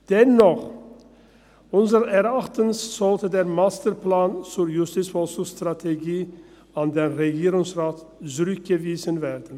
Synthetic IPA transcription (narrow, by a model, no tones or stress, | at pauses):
d̥ɛnːɔχ | ʔʊnzəʁɛʁʔaχtənsz̥ɔltədeːɐmaːstəplaːnt͡sʊːɐjʊstiːt͡sfɔsʊstʁ̥atʰeɡiː | ʔandenʁeɡiːʁʊŋsʁaːtt͡sʊʁʏk̚ɡ̥əviːzənveːdən̩